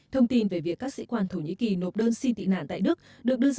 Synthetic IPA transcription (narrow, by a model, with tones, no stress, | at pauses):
t̪ʰə˧wŋ͡mt̪i˧nve˧˩vi˨˩əkːaː˦˥k̚sḭ˧˥kwaː˧nt̪ʰo˧˩ɲḭ˧˥ki˨˩no˨˩p̚ɗəː˧nsi˧t̪ḭ˧˨na̰ː˧˨nt̪a̰ː˧˨ɗɨ˦˥ək̚ | ɗɨ˨˩ək̚ɗɨ˧əz